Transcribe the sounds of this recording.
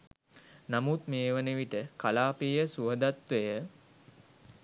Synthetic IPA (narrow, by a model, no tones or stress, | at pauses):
namut̪meːʋəneʋiʈəkalaːpiːjəsuəd̪at̪ʋejə